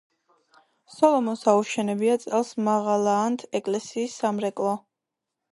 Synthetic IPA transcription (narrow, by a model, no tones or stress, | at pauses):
sɔlˠɔmɔsauʃɛnɛbiat̪sʼɛlˠsmaʁalˠaːnt̪ʰɛkʼlɛsiːsːamɾɛkʼlˠɔ